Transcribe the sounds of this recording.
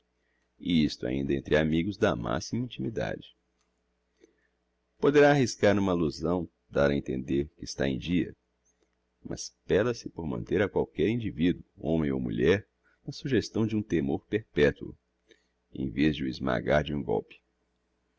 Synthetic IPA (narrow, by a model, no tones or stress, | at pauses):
ist̪ʊa̰ĩnd̪ɐẽnt̪ɾɪamiɡʊzd̪ama̰simɐĩt͡ʃimid̪a̰d͡ʒɪ | pod̪eɾaːhiskaɾũmɐaluzɐ̃w̃ | d̪aɾɐẽnt̪ẽnd̪eɾkɪst̪a̰ẽj̃d͡ʒiɐ̰ | mɐ̰spɛlɐsɪpoɾmɐ̃nt̪eɾɐkwawkɛɾĩd͡ʒivid̪uʊõmẽj̃o̰wmṵʎɛɾ | nɐsuʒest̪ɐ̃w̃d͡ʒɪũt̪emoɾpeɾpɛt̪wʊ̰ | ḛ̃j̃vezd͡ʒɪʊɪzma̰ɡaɾd͡ʒɪũɡɔ̰wpɪ̥